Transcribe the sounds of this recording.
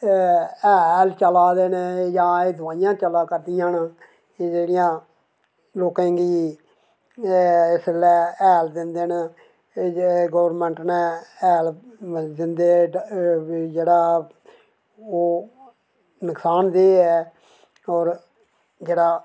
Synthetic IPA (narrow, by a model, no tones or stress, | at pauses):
ɛːlt͡ʃəlaːd̪eːneːjãːeːd̪ʱʊʋaːɪjãːt͡ʃəlaːkəɾd̪ijãːnː | d͡ʒeːɽɪjãː | loːkɛ̃ːɡiː | ɪslɛːɛːld̪ɪnd̪eːn | ɡəʋəɾmɛ̃ːɳʈnɛːɛːlmd̪ɪnd̪eː | d͡ʒeːɽaː | oː | nəksaːnd̪eːɛː | ɔːɾ | d͡ʒeːɽaː